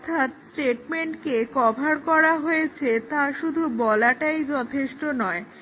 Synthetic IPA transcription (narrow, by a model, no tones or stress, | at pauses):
t̪ʰat̪sʈeʈmeɳʈkekɔbʱaɾkɔɾaɦoet͡ɕʰet̪aʃud̪ʱubɔlaʈajd͡ʑɔt̪ʰeʃʈonɔe